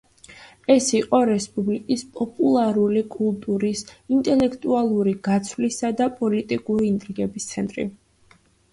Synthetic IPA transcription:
ɛsiqʼɔɾɛspʼublikʼispʼɔpʼulˠaɾulikʼulˠt̪ʼuɾisint̪ʼɛlɛkʰt̪ʼualˠuɾiɡat̪sʰvlisad̪apʼɔlit̪ʼikʼuɾiːnt̪ʼɾiɡɛbist̪sʰɛnt̪ʼɾḭ

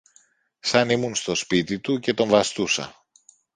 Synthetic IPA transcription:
sɐnimunst̪o̞spit̪it̪uce̞t̪o̞ɱvɐst̪usɐ̰

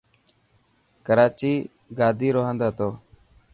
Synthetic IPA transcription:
kəɾaːt͡ʃiː | ɡaːd̪ʱiːɾoːɦãːnd̪aːt̪oː

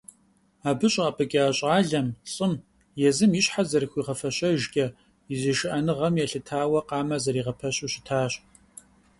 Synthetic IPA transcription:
aːbɨɕʼɐpʼɐkʲʼɪaːɕʼɑːɮɐmɕʼɪm | jɛzɨmjɪɕħazɐrxʷiːʁɐfɐɕʼɐʒkʲʼɐ | iziʃɨʔɐnɨʁɐmjɛɬɨtʰaːwɐqɑːmɐzɐɾiːʁɐpʰɐɕʼuɕɪtʰaːɕʼ

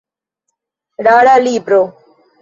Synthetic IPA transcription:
ɖaːɽaːliːpɾoː

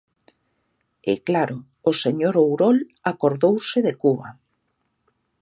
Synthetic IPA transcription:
ɛ̰klaɾʊː | seɲoɾowɾolakoɾðowsɪðekuβa

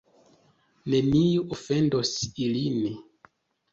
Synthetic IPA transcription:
ne̞nijuʔofe̞ndosilin

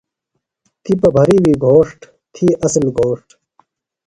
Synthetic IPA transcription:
t̪ipɐbʱɐɾiwiɡʱoːʂʈ | t̪ʰiːʔɐslɡʱoːʂʈ

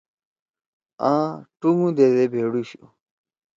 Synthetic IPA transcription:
ãːʈuŋũd̪ed̪ebʱeːɽuɕu

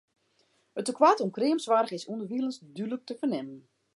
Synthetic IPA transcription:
ətəkʰwatumkrɪːəmsʋaɾɣɪsundərʋiəlˠənsdylək̚təfərnɪmən

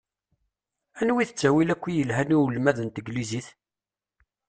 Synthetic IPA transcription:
ænwiθət͡sːæwilækʷːijəlɦæniwlmæðənt̪əɡliziθ

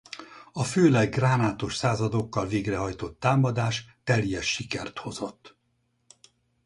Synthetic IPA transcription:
ɒføːlɛɡːraːnaːt̪o̞ʃsaːzɒd̪o̞kːɒlveːɡrɛɦɒjt̪o̞t̪ːaːmɒd̪aːʃt̪ɛljɛʃːikɛrt̪ho̞zo̞t̪ː

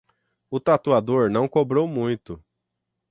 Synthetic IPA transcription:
ʊt̪at̪uad̪oɾnɐ̃w̃kobɾowmũj̃t̪ʊ

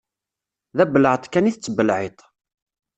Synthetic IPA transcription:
ðæbələʕt̪ˤkæniθət͡sːəbəlʕet̪ˤ

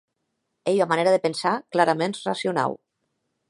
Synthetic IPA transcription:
ejamaneɾaðepensaklaɾamẽnrasiuna̰w

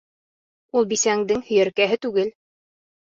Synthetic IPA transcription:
ulˠbisæŋd̪ɘŋhɵ̆jæɾkæɦɘt̪ʉɡɘl

